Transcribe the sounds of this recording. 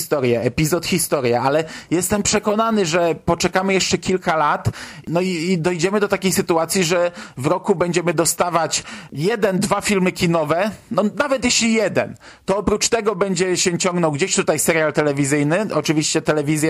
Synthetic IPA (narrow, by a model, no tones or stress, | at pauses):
st̪ɔɾjɛʔɛpʲizɔt̪xʲist̪ɔɾjaalɛjɛst̪ɛmpʂɛkɔnanɘʐɛpɔt͡ʂɛkamɘjɛʂt͡ʂɛkʲʰilkalat̪nɔiːd̪ɔjd͡ʑɛmɘd̪ɔt̪akʲejsɘt̪uat̪sʲjiʐɛvɾɔkubɛɲd͡ʑɛmɘd̪ɔst̪avat͡ɕjɛd̪ɛnd̪vafʲilmɘkʲinɔvɛnɔnavɛt̪jɛɕlʲijɛd̪ɛ̰n | t̪ɔɔpɾut͡ʂt̪ɛɡɔbɛɲd͡ʑɛɕɛ̃t͡ɕɔ̃ŋɡnɔwɡd͡ʑeɕt̪ut̪ajsɛɾjalt̪ɛlɛvʲizɘjnɘʔɔt͡ʂɘvʲiɕt͡ɕɛt̪ɛlɛvʲizʲja